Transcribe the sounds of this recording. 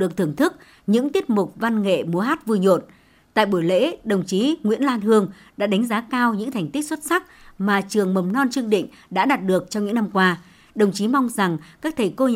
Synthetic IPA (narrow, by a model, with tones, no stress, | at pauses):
ɗɨ˨˩ək̚t̪ʰɨ˧˩əŋt̪ʰɨ˦˥k̚ | ɲɨ̰˧˥ŋt̪i˦˥ət̚mʊ˨˩k͡p̚va˧nŋḛ˧˨mu˨˦əɦaː˦˥t̚vu˧jɲo̰˧˨n | t̪a̰ː˧˨jɓu˧˩jlḛ˧˥ɗə˨˩wŋ͡mt͡ɕi˨˦ŋwḭ˧˥ənlaː˧nhɨ˧əŋ | ɗa̰ː˧˥ɗa˨˦jŋ̟zaː˨˦kaː˧wɲɨ̰˧˥ŋt̪ʰa˨˩jŋ̟t̪i˦˥k̚swt̚sa˦˥k̚maː˨˩t͡ɕɨ˨˩əŋmə˨˩mnɔ˧nt͡ɕɨ˧əŋɗḭ̈˧˨ŋ̟ɗa̰ː˧˥ɗaː˨˩t̚ɗɨ˨˩ək̚t͡ɕɔ˧ŋ͡mɲɨ̰˧˥ŋna˧mkwaː˧ | ɗə˨˩wŋ͡mt͡ɕi˨˦ma˧wŋ͡mza˨˩ŋkaː˦˥k̚t̪ʰə˨˩jko˧